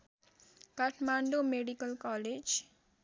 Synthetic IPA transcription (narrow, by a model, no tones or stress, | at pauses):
kaʈʰmaɳɖomeɖikəlkaled͡ʒ